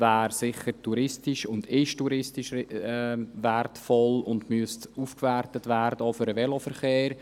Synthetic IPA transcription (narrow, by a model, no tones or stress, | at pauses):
væːɾsɪχəɾtuɾɪstɪʃʊnd̥ɪʃtuɾɪstiʃ | vɛrtfɔlʊndmyəstuːfkvɛɾtətvæɾd̥̪əɔfʏɾəvɛlofəɾχeːɾ